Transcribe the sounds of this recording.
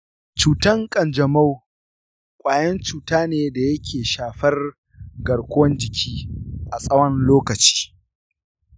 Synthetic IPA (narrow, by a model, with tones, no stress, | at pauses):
t͡ʃuː˨tɐ˦ŋkʼɐ˨nd͡ʒɐ˨mɐ˦w | kʷʼaː˨jɐ˦nt͡ʃuː˨taː˦neː˨da˨jɐ˦kʲʰeː˨ʃaː˨ɸɐ˦r | ɡɐ˨ɽkʷʊ˦wɐ˦nd͡ʒɪ˨kʲʰiː˦ʔa˨sʼɐ˦wɐ˦nloː˦kɐ˨t͡ʃi̥ː˦